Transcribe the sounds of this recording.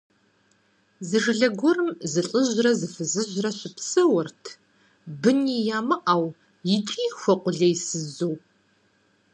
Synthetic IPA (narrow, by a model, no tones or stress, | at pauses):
zɨʒɪɮɐɡʷɔrɨmzɨɬʼəʑrɐzɨfɨzɨʑʷrɐɕɪpsɐwɐrtʰ | bɨniːjaːmɨʔaw | jɪt͡ʃʼiːxʷɐqʷʊɮɐjsɨzuw